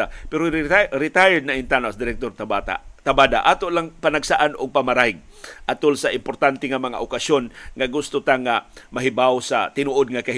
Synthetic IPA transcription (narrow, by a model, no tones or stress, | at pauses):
apɛɾoɾɪt̪ajəd̪̚naʔɪnt̪anasd̪ɪɾɛk̚t̪oɾt̪abat̪a̰t̪abaːd̪a̰ʔat̪oʔlaŋpanaɡsaʔanʊɡ̚pamaɾahɪɡ̚ | ʔat̪olsaʔɪmpoɾt̪ant̪ɛŋamɐŋa̰ʔokasjonŋaɡʊst̪ʊt̪aŋamaɦɪbawsa̰t̪ɪnuʔod̪̚ŋakahɪ